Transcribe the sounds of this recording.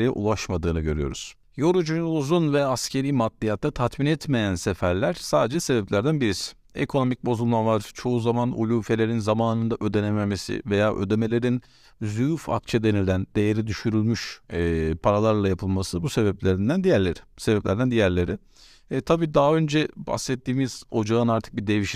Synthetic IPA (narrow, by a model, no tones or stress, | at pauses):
ijɛ̰ʔṵlˠaʃmad̪ɯːnɯɟø̞ɾyjo̞̰ɾṵz̥ | jo̞ɾud͡ʒunuzunvɛascʰe̞ɾiːmat̪ːʲijat̪ːat̪ʰat̪minɛt̪me̞jænsefæɾlʲæɾ̥saːd̪ed͡ʒɛse̞bɛplʲæɾd̪ænbiɾisi̥ | ḛkʰo̞no̞mic̚bo̞zulˠmˠanlˠaɾt͡ʃʰo̞uzamanṵlʲuːfe̞lʲe̞ɾinzamaːnɯnd̪aʔø̞d̪e̞nememe̞sḭve̞jaːʔø̞̰d̪e̞me̞lʲe̞ɾin | zujufa̰kt͡ʃʰɛd̪e̞nilʲænd̪̥e̞jeɾid̪yʃyɾylʲmyʃɛːpʰaɾalˠaɾlˠajapʰɯlˠmasɯbuse̞bɛplʲeɾind̪ænd̪ijæɾlʲeɾi̥se̞bɛplʲæɾd̪ænd̪ijæɾlʲe̞ɾiː | t̪ʰabiːd̪aɦaø̞nd͡ʒɛba̰sɛt̪ʰːiːmiz̥o̞d͡ʒaɯnaɾt̪ʰɯ̥k̚bid̪e̞viʃ